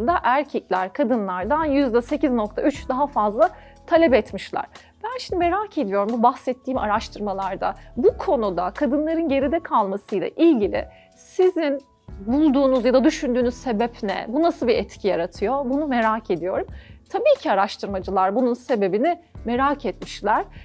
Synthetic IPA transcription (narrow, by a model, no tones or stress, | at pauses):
nd̪aʔæɾcʰɛclʲæɾkʰad̪ɯnlˠaɾd̪anjyzd̪ɛse̞cizno̞k̚t̪ʰaʔyt͡ʃd̪aɦafazlˠa | t̪ʰalʲɛpɛt̪miʃlʲˠa̰ɾ̥ | b̥ænʃimd̪ime̞ɾaːcʰe̞d̪ijo̞ɾumbubaxsɛt̪ʰːiːma̰ɾaʃt̪ʰɯɾmalˠaɾd̪a̰bukʰo̞nud̪akʰad̪ɯnlˠaɾɯnɟe̞ɾid̪ɛkʰalˠmasɯjlˠa̰ʔilʲɟilʲɪ̰ | sizin | bulˠd̪uːnuzjad̪ad̪yʃynd̪yːnyzse̞bɛpnɛ̰bunasɯlˠbiʔɛt̪cʰijaɾat̪ʰɯjo̞bunume̞ɾaːcʰe̞d̪ijo̞ɾumt̪ʰabiːcʰiaɾaʃt̪ʰɯɾmad͡ʒɯlˠaɾbununse̞be̞bini | me̞ɾaːcʰɛt̪miʃlʲæɾ̥